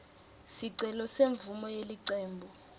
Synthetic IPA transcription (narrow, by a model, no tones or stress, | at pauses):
siǀɛlɔseɱvumɔjeliǀɛːmbʱɔ